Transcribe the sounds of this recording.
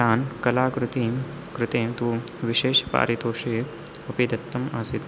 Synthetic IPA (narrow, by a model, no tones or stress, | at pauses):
aːnkɐlaːkɾut̪iː | kɾɪt̪eːmt̪uːʋiʃeːʃpa̰ːɾit̪oːʃiː | ɐpeːd̪ɐt̪ːɐma̰ːsit̪